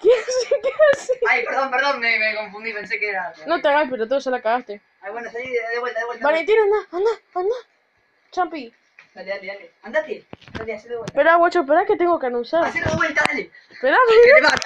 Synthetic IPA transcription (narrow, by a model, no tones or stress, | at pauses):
keasikeasiajpeɾðompeɾðoŋmemekõɱfund̪ipẽnsekeeɾanot̪eaɣajpeɾot̪̬oselakaɣast̪e | awenosaiðeβwelt̪aðewelt̪balent̪inonaand̪aand̪a | t͡ʃampi | at̪at̪ialeand̪at̪jend̪at̪jasilðewet̪peɾawat͡ʃopeɾaket̪eŋɡokeanũnsaɾaseɾewelt̪ael | peɾaβa